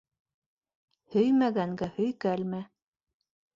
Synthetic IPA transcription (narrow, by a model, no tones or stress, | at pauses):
hɵjmæɡæŋɡæhɵ̆jkælmæ